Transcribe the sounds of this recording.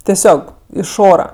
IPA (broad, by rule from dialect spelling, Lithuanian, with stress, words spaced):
tʲɛˈsʲoːk ɪʃ ˈoːrɐ